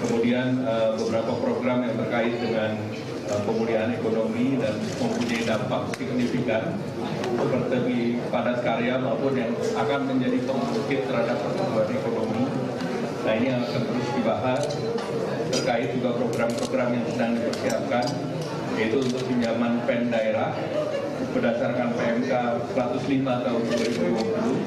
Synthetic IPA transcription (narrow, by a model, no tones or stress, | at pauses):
kəmudianəbəbəɾapapɾoɡɾamjaŋt̪ərkaɪt̪̚dəŋan | əpəmuliaːnekonomidan | məmpunaidampak̚siknifikat̪̚ | səpərt̪ibipadat̪̚kaɾeamaupʊnjaŋakanməɲd͡ʒadip̪əŋaokɪt̪ːərhadap̚ːərsat̪uat̪ekonomi | nainijaŋakant̪əɾʊsdibaɦa | t̪ərkaɪt̪̚d͡ʒuɡapɾoɡɾampɾoɡɾamjaŋsədaŋdipərsiap̚kan | jait̪uːnt̪ʊk̚pəɲd͡ʒamanpɛndaeɾah | bərdasarkanpeɛmkasɾat̪ʊslimat̪aʊnduaɾimuiwapulu